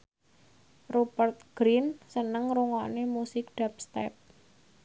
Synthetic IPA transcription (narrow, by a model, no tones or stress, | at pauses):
robərt̪̚ɡ̥ɾinsənəŋɾuŋɔnemusɪk̚ɖ̥ap̚st̪ɛp̚